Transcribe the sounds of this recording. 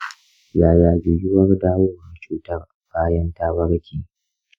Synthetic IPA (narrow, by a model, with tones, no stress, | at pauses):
jaː˦˨jaː˨d͡ʒɪ˨jɪ˦wɐ˦rdaː˦woː˦wɐ˨rt͡ʃuː˦tɐ˦rʔa˨kaː˦jɐ˦ntaː˦bɐ˦ɽkʲiː˨